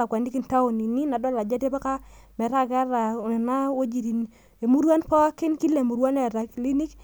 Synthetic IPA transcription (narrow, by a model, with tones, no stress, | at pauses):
a˨kwa˨ndi˦ki˦nta˦o˨ni˨ni˦na˨dɔ˦la˨d͡ʒa˦te˦pa˦ka˦ | mɛ˨ɾa˦ka˦ɾa˨nɛ˨na˦wo˦d͡ʒi˨ɾi˨n | e˨mu˦ɾwa˦npa˦a˦kɪ˦nki˦le˨mu˨ɾwa˦nɛ˨ɾa˨kli˦ni˦k